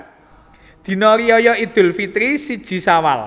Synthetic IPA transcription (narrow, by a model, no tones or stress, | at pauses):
d̪̥i̤nɔɾiɔjɔid̪̥ʊ̤lfit̪ɾisid̥ʒ̥i̤sawa̰l